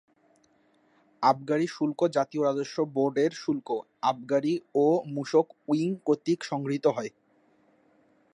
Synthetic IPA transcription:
ab̚ɡaɽiʃulkod͡ʑat̪ioɾad̪oʃːoboɾɖeɾʃulko | ab̚ɡaɽiomuʃokuiŋkot̪ːikʃɔŋɡɾit̪oɦɔe

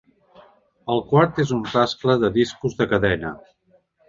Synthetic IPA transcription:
əlˠkwaɾt̪ezunraskləðəðiskuzðəkəðɛnə

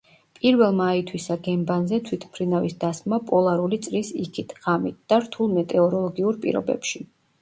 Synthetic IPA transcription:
pʼiɾvɛlˠmait̪ʰwisaɡɛmbanzɛt̪ʰwit̪ʰmpʰɾinavisd̪asmapʼɔlˠaɾulit̪sʼɾisikʰit̪ʰʁamit̪̚d̪̥aɾt̪ʰulˠmɛt̪ʼɛɔɾɔlˠɔɡiuɾpʼḭɾɔ̰bɛ̰pʃi

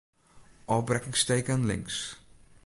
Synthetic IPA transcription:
ʔɔbrɛkɪŋstejkənlɪ̰ŋs

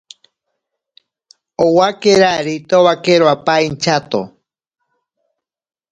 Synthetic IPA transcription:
owakeɾaɾit̪oβakeɾoapaint͡ʃat̪o̰

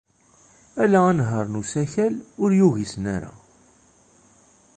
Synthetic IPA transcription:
ælæænɦəɾˤnusæçælʊɾjuʝisnæɾa̰

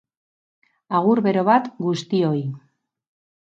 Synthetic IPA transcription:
aɣ̞uɾβe̞ɾo̞βat̪ɡust̪io̞j

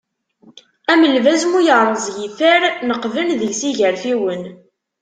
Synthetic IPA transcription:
æməlvæzmujəʁɾˤəzˤjiθəɾnəqvənðəlsiʝəɾfiwən

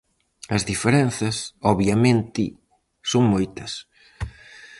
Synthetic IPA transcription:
ɐzðifeɾɛn̟θɐsɔβjɐmẽnt̪i | soŋmojt̪ɐs

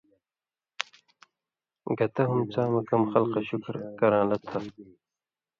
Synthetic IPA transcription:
ɡɐt̪ɐɦumt͡saːmɐkɐmxɐlqɐɕukɾkɐɾãːlɐt̪ʰːɐ

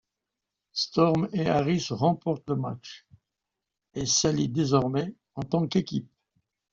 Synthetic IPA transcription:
st̪ɔʁmeaʁisʁɑ̃pɔʁt̪ləma̰t͡ʃ | esalid̪ezɔʁmɛ | ɑ̃t̪ɑ̃kekʲip̚

